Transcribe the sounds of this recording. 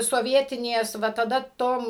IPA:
soːˈʋʲiɛtʲɪnʲeːs ˈʋɐ tɐˈdɐ ˈtoːm

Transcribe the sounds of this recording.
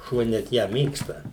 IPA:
ˈʃuɔ nʲɛt ˈjæː ˈmʲeːkstɐ

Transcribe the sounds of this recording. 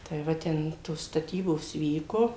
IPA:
tɐɪ ˈʋɐ ˈtʲɛn toːs stɐˈtʲiːboːs ˈʋʲiːkoː

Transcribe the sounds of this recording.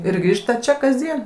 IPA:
ɪr ˈɡrʲiːʃtɐ ˈt͡ʃʲɛ kɐzʲˈdʲiɛn

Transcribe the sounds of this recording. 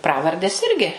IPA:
ˈprɑːʋɐrʲdʲeːs ˈɪrʲɡʲɪ

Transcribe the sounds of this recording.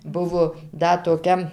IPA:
ˈbʊʋoː ˈdɐ toːˈkʲɛ

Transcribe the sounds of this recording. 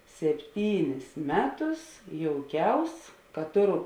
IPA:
sʲɛpʲˈtʲiːnʲɪs ˈmʲæːˌtʊs joːʊˈkʲɛʊs kɐ ˈtoːˌrʊ

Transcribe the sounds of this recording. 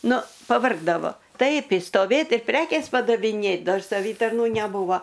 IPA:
ˈnʊ pɐˈʋɐrɡdɐʋoː ˈtɐɪp ɪʃstoːˈʋʲeːt ɪr ˈpʲrʲæːkʲeːs pɐdɐʋʲɪˈnʲeːt ˈdɐr sɐˈʋʲiːtɐrnuː nʲɛˈbuːʋoː

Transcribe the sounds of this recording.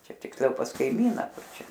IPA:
ˈt͡ʃʲɛ tʲɪksʲˈlʲɛʊ pɐs kɐɪˈmʲiːnɐ ˈkʊr ˈt͡ʃʲɛ

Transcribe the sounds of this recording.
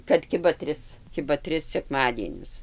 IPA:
kɐt ˈkʲɪbɐ ˈtʲrʲɪs ˈkʲɪbɐ ˈtʲrʲɪs sʲɛkˈmɑːdʲiɛnʲʊs

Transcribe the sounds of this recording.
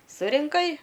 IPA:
sʊrʲɪŋˈkɐɪ

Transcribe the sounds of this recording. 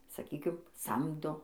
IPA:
sɐˈkʲiːkʲɪm ˈsɐmdoː

